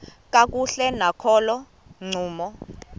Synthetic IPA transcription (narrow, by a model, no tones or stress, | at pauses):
kʼak̬ʼuɬɛnakʰɔːlɔ | ŋ͡ǀʱuːmɔ